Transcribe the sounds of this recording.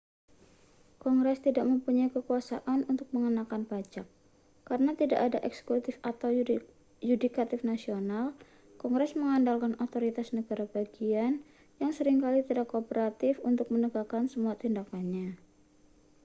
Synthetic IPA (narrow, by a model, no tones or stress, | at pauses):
kɔŋɡɾɛst̪idaʔməmpuɲajkəkuasaʔanunt̪ʊk̚məŋənakanpat͡ʃakː | aɾənat̪idaʔadaʔɛksə̥kut̪ɪfat̪aw | judikat̪ɪfnasional | kɔŋɡɾɛsməŋandalkanot̪oɾit̪asnəɡaɾabaɡian | jaŋsəɾɪŋkalit̪idakːopəɾat̪ɪfunt̪ʊk̚mənəɡakansəmuat̪indakanɲa